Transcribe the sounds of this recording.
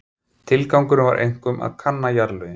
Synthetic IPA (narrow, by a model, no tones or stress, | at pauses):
t̪ʰɪlkawŋkʏɾʏnva̰ɾʔḛjŋ̥kʏmʔa̰ðkʰanːajaɾlœ